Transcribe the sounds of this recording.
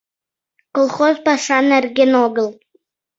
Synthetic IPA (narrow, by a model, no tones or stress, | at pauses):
kolˠχozpɑʂɑnɘ̆rɡʲenoɡə̆lˠ